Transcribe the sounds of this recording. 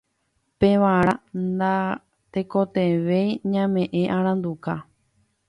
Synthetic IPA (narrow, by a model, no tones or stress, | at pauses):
peʋãɾand̪a | t̪ekot̪eʋejɲãmẽʔẽʔãɾ̃ãnd̪uka